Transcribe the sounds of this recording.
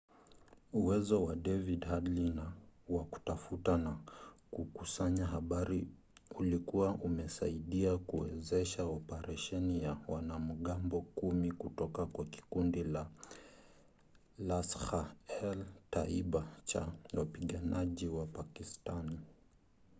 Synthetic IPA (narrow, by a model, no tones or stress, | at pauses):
uwɛzɔwaɗɛvidhadlinawaku̥tafutanakukusaɲaɦaɓaɾi | ulikuwaʔumɛsa̰iɗiakuwɛ̰zɛʃaɔpɛɾaʃɛnijawanam̩ɠambɔkumikutɔkakwaki̥kundila | lasxaɛltaiɓat͡ʃa̰wapiɠanaʄiwapakistani